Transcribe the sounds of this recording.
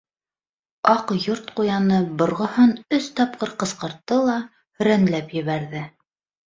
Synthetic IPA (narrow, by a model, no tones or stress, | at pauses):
ɑqjoɾt̪qujɑnɤbŏɾʁŏhɤnɵst̪ɑp̚qɤɾqɤ̆sqɤ̆ɾt̪ːɤlˠɑ | hɵ̆ɾænlæpjɘ̆βæɾðɘ